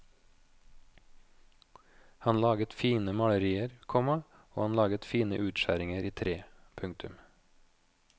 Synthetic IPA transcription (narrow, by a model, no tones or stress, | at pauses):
hɑnlɑːɡət̪fiːnəmɑləɾiːəɾkʰɔmɑ | o̰ːhɑnlɑːɡət̪fiːnəʔʉːt̪ʃæɾɪŋəɾʔiːt̪ʰɾeːpʰʉŋt̪ʰʉm